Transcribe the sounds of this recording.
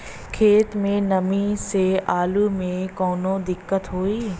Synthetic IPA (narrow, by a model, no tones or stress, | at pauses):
kʰeːt̪mẽnɐmiseaːlumẽkɔːnõd̪ɪkːət̪ɦoːiː